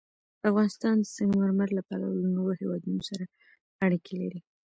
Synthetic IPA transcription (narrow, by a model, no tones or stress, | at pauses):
afɣɑnɪst̪ɑnd̪əsaŋɡmaɾmaɾlapɑla̰wluŋɡəwohewɑd̪unosaɾa | aɽikʰelaɾi